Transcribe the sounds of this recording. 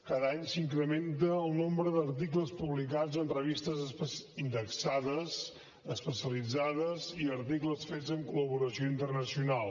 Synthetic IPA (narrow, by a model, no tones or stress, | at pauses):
kaðaɲsiŋkɾəment̪əːlˠnombɾəðəɾt̪ikləspuβlikad͡zənrəβist̪əzind̪əksaðəz | əspəsiəlid͡zaðəziəɾt̪ikləsfezəŋkuləβuɾəsioint̪ərnəsiunalˠ